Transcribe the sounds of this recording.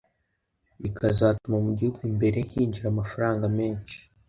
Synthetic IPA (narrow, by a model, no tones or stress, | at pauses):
ikʰazaːtumamuɟihuɡuuimbe̞ɾe̞ŋ̥hiːɲɟiɾaːmafaɾaːŋɡameːnt͡ʃi̥